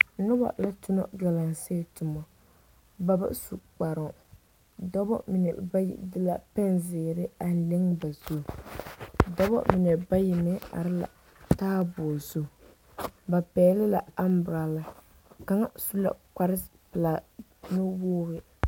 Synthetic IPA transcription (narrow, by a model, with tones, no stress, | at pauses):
nʊ˦ba̰˨la˦tʊ˦nɔ̰˦ɡa˨la˨ŋse˦tʊ˨mɔ˨ | ba˨bɨ̰˦su˨k͡pa˨ɾɔ˨ | dɔ˦bɔ̰˦mi˨nɛ˨ba˦jḭ˨dɨ˦la˦pɛ˦nzɪː˨ɾɪ˦a˨n˨lɪ˦ŋba˨zo˦˨ | dɔ˦bɔ̰˦mi˨nɛ˨ba˦jɪ˨mɛ˦a̰˨ɾɪ˦la̰˨ | taː˦bʊː˨zo˦˨ | ba˨pɛː˨˦lɪ˦la˨a˦m˦bʊ˨ɾa˨la˨ | ka˨˦ŋa˦su˦la̰˦ka˦ɾɪ˦ | pɨ˨la˨ | nɨ˦woː˦ɣɪ˦